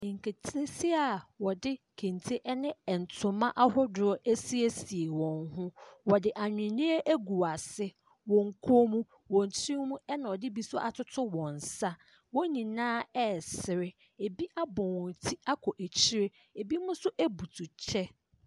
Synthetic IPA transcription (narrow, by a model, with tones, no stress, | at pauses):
ŋ̩˨kʰe˨tʰe˦si˦a˨wɔ˨dɪ˦ | kʰẽ˨ntʰe˦ʔɛ˦nɪ̃˦ɛ˨n̩˨tʰʊ̃˨mã˦ʔa˦hʊ˦dʊ˨ɔ˦ʔæ˦si˦e˦si˨e˨wɔ̃˨nɦʊ̃˦wɔ˨dɪ˨ʔa˨ɲᶣɪ̃˨nĩ˦e˦ʔæ˦ɡu˨a˨sɪ˦ | wɔ̃˨ŋ̩˨kʰo˦mũ˦ | wɔ̃˨n˨tʰĩ˦mũ˦ɛ˦nã˨ɔ˨dɪ˦bi˨sʊ˦ɔ˦ʔa˨tʰʊ˦tʰʊ˦wɔ̃˨n˨sa˦ | wɔ̃˦nĩ˨nãː˦ɛ˦sɪ˨ɾɪ˦ | e˨bi˦ʔa˦bɔ̃˨wɔ̃˨tʰi˦a˦kʰɔ˨ʔæ˨t͡ɕʰi˦ɾe˦ | e˨bi˦mʊ̃˦sʊ˦ʔæ˦bu˨tʰu˨t͡ɕʰɛ˦